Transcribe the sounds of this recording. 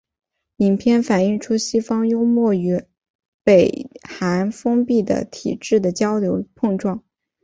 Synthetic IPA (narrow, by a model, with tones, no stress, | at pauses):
li˨˩ŋpʰjɛ˥˩nfa˨˩ni˥˩ŋʈ͡ʂʰu˥ɕi˥fɑ˥ŋjo˥ʊmwɔ˥˩y˧˥ | pe˨˩ɪxa˧˥nfɤ˥ŋpi˥˩d̪ə̰˩t̪ʰḭ˨˩ʈ͡ʂɻ̩˥˩d̪ə˩t͡ɕjɑ˥ʊljo˧˥ʊpʰɤ˥˧ŋʈ͡ʂwɑ˥˩ŋ